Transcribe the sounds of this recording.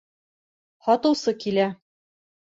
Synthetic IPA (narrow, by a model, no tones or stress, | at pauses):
hɒt̪ɤ̆wsɤkilæ